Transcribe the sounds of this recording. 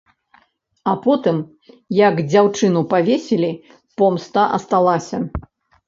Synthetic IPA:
ɐpɔt̪ɨm | jɐɡd͡zʲawt͡ʂɨnupavʲesʲelʲi | pɔmst̪aʔɐst̪alˠasʲɐ

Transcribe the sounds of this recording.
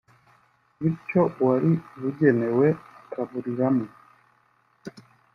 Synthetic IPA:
βit͡ʃɔwaɾiβuɟɛnɛwɛkʰaβuɾiɾamu

